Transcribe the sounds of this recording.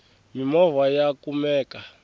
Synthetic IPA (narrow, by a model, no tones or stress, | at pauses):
mimɔvajakumɛːka